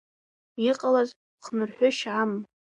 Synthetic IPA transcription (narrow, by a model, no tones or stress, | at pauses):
iqʼalaz | qʰnɨrħʷʊʃʕam